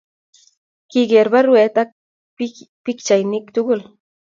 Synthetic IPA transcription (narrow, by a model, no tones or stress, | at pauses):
kɪɡeɾbaɾʊet̪a | pɪkt͡ʃajnɪkt̪ʊkʊl